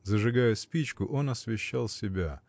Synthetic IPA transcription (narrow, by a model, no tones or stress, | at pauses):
zəʐɨɡajʊsʲpʲit͡ɕkʊʔo̞nɐsvʲɪɕːalˠsʲɪbʲa